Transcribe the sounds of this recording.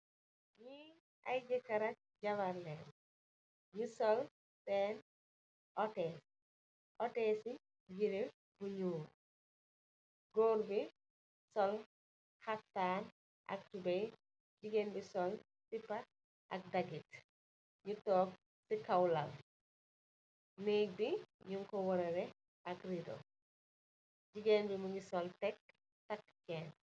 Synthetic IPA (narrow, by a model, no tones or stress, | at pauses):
ɲi | ɐjd͡ʒikɐɾɐt̚ɟɐwɐɾlɛːn | ɲusɔl | sɛn | ʔɔtɛːs | ʔɔtɛːsi | jiɾe | buɲuːɾ | ɡɔːɾbi | sɔl | xaftaːn | ʔɐ̰k̚tubɛj | d͡ʒiɡenbisɔl | sipɐt̚ | ʔɐ̰k̚dɐɡit | ɲutɔːk̚ | sikɐwlɐl | neːk̚biɲuŋkɔwɔɾɛɾɛ | ɐkridɔ̰ | d͡ʒiɡenbimuŋɡisɔltɛk | tɐkːkɛːn